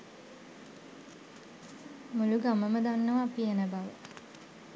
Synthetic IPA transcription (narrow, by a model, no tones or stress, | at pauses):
muluɡaməməd̪anːəʋaːpienəbaʋə̰